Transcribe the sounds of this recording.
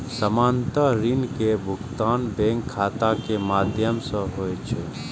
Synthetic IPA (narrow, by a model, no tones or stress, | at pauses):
səmaːnt̪əɾinkebʱʊkt̪aːnbẽːŋkʰːaːt̪akemaːd̪ʱjəmsə̃ɦoːet͡ʃʰe